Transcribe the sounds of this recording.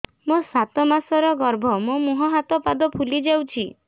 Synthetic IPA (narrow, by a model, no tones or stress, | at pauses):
mosat̪ɔmasɔɾɔɡɔɾbʱɔmomuɦɔɦat̪ɔpad̪ɔpʰulid͡ʒawt͡ʃʰi